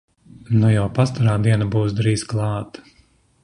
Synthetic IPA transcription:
nujawpast̪aɾaːd̪iɛnabuːsd̪ɾiːzklˠɑːt̪

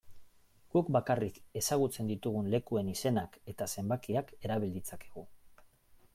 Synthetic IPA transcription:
ɡ̥ukbakarike̞saɣut͡se̞nd̪it̪uɣ̞unle̞kue̞nise̞nake̞t̪ase̞mbakiake̞ɾaβild̪it͡sakeɣu

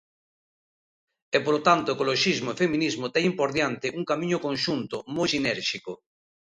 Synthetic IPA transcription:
ɛpolot̪ant̪oekoloʃizmoefemĩnizmot̪ɛŋimpoɾðjant̪ɪʔuŋkamĩɲʊkõnʃunt̪omojsinɛɾʃiko

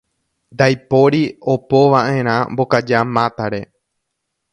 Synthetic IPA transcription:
nd̪ajpo̞ɾio̞po̞ʋãʔẽ̞ɾ̃ãmbo̞kad͡ʒamãt̪aɾe̞

